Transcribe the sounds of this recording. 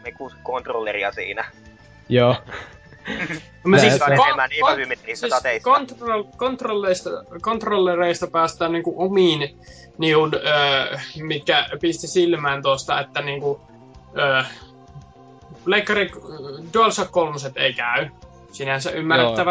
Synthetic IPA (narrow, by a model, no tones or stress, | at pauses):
mikuskont̪rolːeriɑsḭːnæ | joː | msisɑeemænniːæʋymet̪risæt̪ɑt̪eikont̪olkont̪rolːeist̪ɑkont̪rolːereˑist̪ɑpæːst̪æːnniːŋkuʔʔomiːn | niunəːmit̪̚kæpist̪isilmæːnt̪ost̪ɑ̰et̪ːæniːŋku | əː | pleˑikːɑriduɑlsɑkkolmuset̪eˑikæˑy | sinænsæʔʔymːærːet̪ːæʋæ